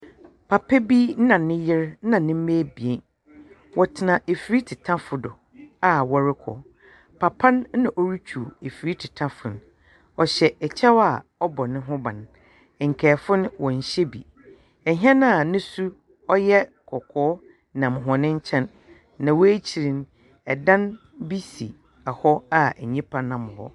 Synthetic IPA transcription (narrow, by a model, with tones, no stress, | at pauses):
pʰa˨pʰɛ˦bi˦n̩˦nã˨nɪ̃˦jɪ˦ɾ̩˦nã˨nɪ̃˦m̩˦meː˦bi˨e˨n | wɔ˨tʰɪ˨nã˨ʔe˨fi˨ɾi˦tʰɪ˨tʰã˦fʊ˨dʊ˨ | a˨wɔ˨ɾɪ˦kʰɔ̰˨ | pʰa˨pʰã˦n˦nã˨ʔɔ˦ɾi˦t͡ɕʰu˨e˨fi˨ɾi˦tʰɪ˨tʰã˦fʊ˨n | ɔ˨ɕɛ˨ɛ˨t͡ɕʰɛ˦wa˨ɔ˦bɔ˨nɪ̃˦ɦʊ̃˦bã˨n˨ | ŋ̩˨kʰɛː˨fʊ˦n˦wɔ̃˨ɲ˨ɕɛ˦bi˨ | ɛ˨ɦɛ̃˦nã˦˨nɪ̃˦su˦ | ɔ˦jɛ˦ | kʰɔ˨kʰɔː˨˦ | nã˨m˨ɦɔ˨nɪ̃˦ɲ̩˦t͡ɕʰɛ̃˦nː | ã˨wɔ˦e˦t͡ɕʰi˨ɾĩ˨n | ɛ˨dã˦n | bi˦si˨ | a˨hɔ˦a˨ɛ˨ɲĩ˦pʰã˦nːã˨mʊ̃˨hɔ̰˦